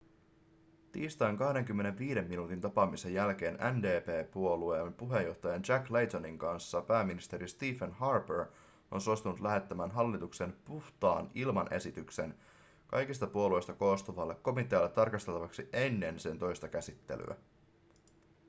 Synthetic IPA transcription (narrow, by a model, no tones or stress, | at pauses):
t̪iːst̪ɑːŋkɑhde̞ŋk̟ymːe̞ne̞ʋʋiːde̞mːinuːt̪int̪ɑpɑmisejjælk̟e̞ːnænde̞ːpeːpuo̞lueːmpuɦe̞jo̞ht̪ɑjɑnt͡ʃæklejt̪oniŋkɑnsːɑpæːmːinist̪e̞ɾist̪iːfenhɑrpeɹ | o̞̰nsost̪unut̪læɦe̞t̪ːæmæːnɦɑlːit̪ukse̞npuht̪ɑ̰ːnilmɑnʔe̞̰sit̪ykse̞̰n | kɑ̰jkist̪ɑpuo̞luejst̪ɑko̞ːst̪uʋɑlːe̞kːo̞mit̪ˑeɑlːet̪ːɑrkɑst̪e̞lt̪ɑʋɑksiʔe̞nːe̞nse̞nt̪o̞jst̪ɑk̟æsit̪ːe̞̰ly̰æ̰